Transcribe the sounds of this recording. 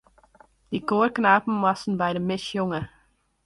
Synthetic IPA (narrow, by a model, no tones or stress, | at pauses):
d̥ikoːrknaːpm̩ʋɑsn̩bɛjdəmɪsjʊŋə